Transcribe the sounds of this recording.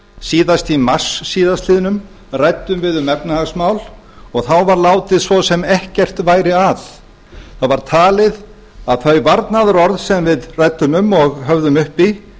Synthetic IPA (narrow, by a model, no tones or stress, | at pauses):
siːðast̪imḁsːiːðast̪lɪːðnʏm | rajt̪ːʏmvɪðʏmɛpnahasmawl | ɔɣθawvaɾlaːwt̪ɪðsvɔsɛmɛhcɛr̥t̪vaːjɾɪaθ | θawvaɾ̥t̪ʰaːlɪð | aðθœɥvaɾt̪naðɾɔɾðsɛmvɪðrajt̪ːʏmʏmɔɣɦœvðʏmʏhpi